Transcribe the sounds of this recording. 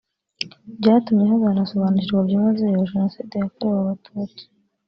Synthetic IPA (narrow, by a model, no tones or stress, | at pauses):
bɟaːtumɲeɦazanaso̞βaːnuciɾɡwabjumazejoʒenosiːdejakoɾewaβatʰuːt͡si̥